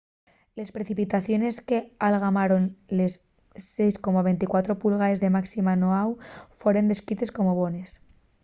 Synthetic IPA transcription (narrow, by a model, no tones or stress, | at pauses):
le̞spɾe̞θipit̪aθjo̞ne̞ske̞alɣ̞amaɾo̞nle̞s | e̞jsko̞maβ̞e̞nt̪ikwat̪ɾo̞pulɣ̞aezðe̞maksimanoawfwe̞ɾe̞nd̪e̞skit̪e̞sko̞mo̞βo̞ne̞s